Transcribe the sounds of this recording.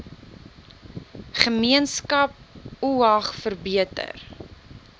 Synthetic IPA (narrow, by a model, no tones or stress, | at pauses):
χəmiənskɐp̚uɐχfərbiətə̰r